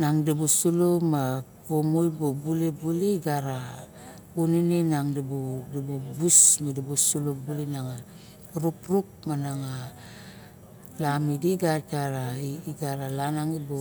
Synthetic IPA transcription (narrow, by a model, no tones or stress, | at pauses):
naŋdabusulomapomojbobulebuleiɡaɾa | uninenaŋdibudabubusmadabosulobulenaŋa | ɾupɾuk̚manaŋa | lamidiɡataɾaiiɡaɾalanaŋibo